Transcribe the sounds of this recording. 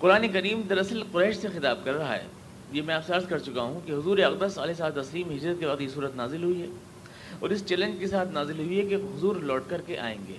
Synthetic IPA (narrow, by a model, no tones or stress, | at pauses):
qʊɾaːnekɐɾiːmd̪ɐɾɐsəlqʊɾɛːʃsexɪt̪aːb̚kɐɾːɐɦa̰ɦɛ̰ː | jemɛ̃aːpsəɾzkɐɾt͡ʃʊkaɦũkeɦʊzuːɾeɐqd̪əsɐlesaːd̪̚t̪ɐsliːmɦɪd͡ʒɾət̪̚kebaːd̪jesuːɾət̪naːzɪlɦʊiɦɛː | ɔ̰ːɾɪst͡ʃɛːlə̃nd͡ʒkesaːt̪ʰnaːzɪlɦʊiɦɛkeɦʊzuːɾlɔːʈkɐɾkeʔa̰ːḛ̃ːŋɡḛː